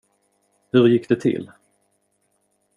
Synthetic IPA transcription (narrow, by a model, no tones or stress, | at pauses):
hɵɾjɪkːd̪ɛt̪ʰɪ̰lː